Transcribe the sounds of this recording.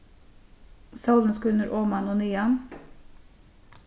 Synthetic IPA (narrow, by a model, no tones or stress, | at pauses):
səʉlənskʉnəɾʔoːmɑnoːnyːɑn